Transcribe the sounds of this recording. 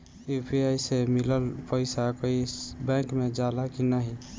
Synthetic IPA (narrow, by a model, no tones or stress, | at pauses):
upʰiajsemiləlpəɪsakoibɛ̃kmed͡ʒalakinaɦi